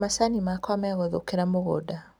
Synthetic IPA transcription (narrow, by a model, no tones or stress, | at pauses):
masanimakamɛɣoðokeɾamoɣo̰da